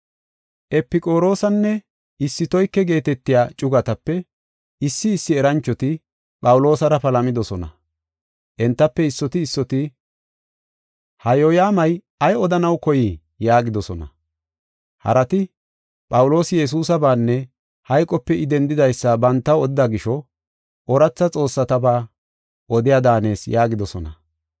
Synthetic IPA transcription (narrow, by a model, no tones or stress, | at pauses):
ʔɛpːɪkʼo̞ːɾo̞ːsɐnːɛ | ɪsːɪt̪ɔjkːɛɡe̞ːt̪ɛt̪ːɪjaːt͡ʃʼʊɡɐt̪ɐpːɛ | ɪsːɪːsːɪɛɾɐnt͡ʃːɔt̪ɪ | pʼɐwʊlo̞ːsɐɾɐpɐlɐmɪd̪ɔsɔnɐ̰ | ʔɛnt̪ːɐpːɛɪsːɔt̪ɪːsːɔt̪ɪ | hɐjojaːmɐj | ɐjɔd̪ɐnɐwkɔjɪ | jaːɡɪd̪ɔsɔnɐ | hɐ̰ɾɐt̪ɪ | pʼɐwʊlo̞ːsɪjɛs̬uːsɐbaːnːɛ | hɐjkʼɔpːɛɪd̪ɛnd̪ɪd̪ɐjsːɐbɐnt̪ːɐwɔd̪ɪd̪aɡɪʃɔ | ʔɔɾɐt͡sːɐt͡sʼo̞ːsːɐt̪ɐbaː | ʔɔd̪ɪjad̪aːne̞ːsjaːɡɪd̪ɔsɔnɐ